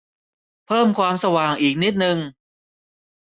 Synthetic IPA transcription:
pʰɤː˥˩mkʰwaː˧msa˧waː˨˩ŋʔiː˨˩k̚ni˦˥t̪̚nɯ˧ŋ

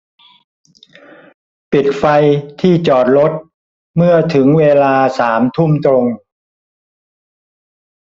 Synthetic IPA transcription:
pi˨˩t̪̚fa˧jt̪ʰiː˥˩t͡ɕɔː˨˩t̪̚ɾo˦˥t̪̚ | mɯ˥˩ɐt̪ʰɯ˩˦ŋweː˧laː˧saː˩˦mt̪ʰu˥˩mt̪ɾo˧ŋ

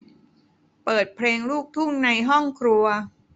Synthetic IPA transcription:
pɤː˨˩t̪̚pʰleː˧ŋluː˥˩k̚t̪ʰu˥˩ŋna˧jɦɔ˥˩ŋkʰɾu˧ɐ

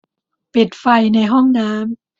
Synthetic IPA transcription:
pe˨˩t̪̚fa˧jna˧jɦɔ˥˩ŋnaː˦˥m

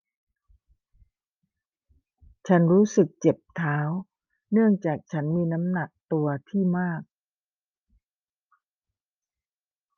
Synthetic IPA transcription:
t͡ɕʰa˦˥nɾuː˦˥sɯ˨˩k̚t͡ɕe˨˩p̚t̪ʰaː˦˥w | nɯ˥˩əŋt͡ɕaː˨˩k̚t͡ɕʰa˦˥nmiː˧na˦˥mna˨˩k̚t̪u˧ɐt̪ʰiː˥˩maː˥˩k̚

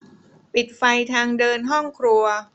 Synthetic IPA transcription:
pi˨˩t̪̚fa˧jt̪ʰaː˧ŋdɤː˧nɦɔ˥˩ŋkʰɾu˧ɐ

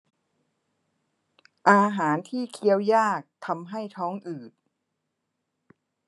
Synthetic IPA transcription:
ʔaː˧ɦaː˩˦nt̪ʰiː˥˩kʰi˦˥əwjaː˥˩k̚t̪ʰa˧mɦa˥˩jt̪ʰɔː˦˥ŋʔɯː˨˩t̪̚

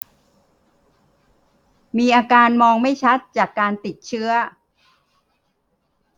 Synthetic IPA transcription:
miː˧ʔaː˧kaː˧nmɔː˧ŋma˥˩jt͡ɕʰa˦˥t̪̚t͡ɕaː˨˩kːaː˧nt̪i˨˩t̪̚t͡ɕʰɯ˦˥ɐ

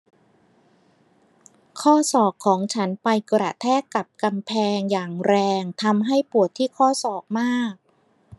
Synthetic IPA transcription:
kʰɔː˥˩sɔː˨˩kʰːɔː˩˦ŋt͡ɕʰa˦˥npa˧jkɾa˨˩t̪ʰɛː˥˩ka˨˩p̚ka˧mpʰɛː˧ŋjaː˨˩ŋɾɛː˧ŋt̪ʰa˧mɦa˥˩jpu˨˩ət̪ʰːiː˥˩kʰɔː˥˩sɔː˨˩k̚maː˥˩k̚

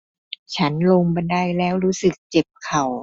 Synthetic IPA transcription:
t͡ɕʰa˦˥nlo˧ŋba˧nda˧˩jlɛː˦˥wɾuː˦˥sɯ˨˩k̚t͡ɕe˨˩p̚kʰa˨˩w

